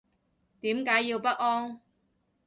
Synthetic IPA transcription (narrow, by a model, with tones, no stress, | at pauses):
t̪iː˨˥mkaː˨˥jːiː˧wpɐ˥t̚ʔɔː˥ŋ